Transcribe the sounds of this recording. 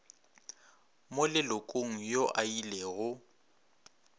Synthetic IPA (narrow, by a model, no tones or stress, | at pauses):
mʊlɪlʊkʼoŋ̩joʔailɛɣʊ